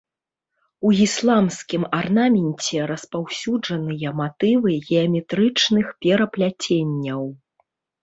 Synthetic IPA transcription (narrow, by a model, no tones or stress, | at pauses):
uislˠamskʲimarnamʲɛnʲt͡sʲɛɾɐspawsʲud͡ʐɐnɨjɐmat̪ɨvɨɣʲɛɐmʲɛt̪ɾɨt͡ʂnɨxpʲɛɾɐplʲat͡sʲenʲːɐw